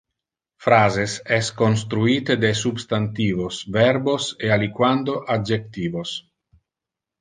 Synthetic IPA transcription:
fɾaːzesɛskons̬t̪ɾuiːt̪ed̪esubst̪ant̪iːvosvɛɾbosealikwand̪oʔad͡ʒek̚t̪iːvos

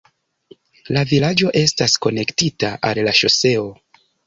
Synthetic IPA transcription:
lavilad͡ʒo̞ʔe̞stasko̞ne̞ktitaʔallaʃo̞se̞o̞

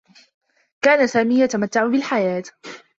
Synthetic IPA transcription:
kaːnasaːmiːjat̪amat̪ːaʕʊbɪlħajaːt̪

